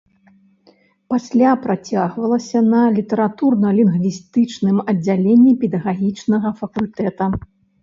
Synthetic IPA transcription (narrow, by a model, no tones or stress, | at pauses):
pasʲlʲapɾat͡sʲaɣvɐlˠɐsʲɐnɐlʲit̪ɛɾat̪urnɐlʲinɣvʲist̪ɨt͡ʂnɨmɐd͡zʲːalʲenʲːipʲɛd̪ɐɣaɣʲit͡ʂnɐɣɐfɐkulʲt̪ɛt̪ɐ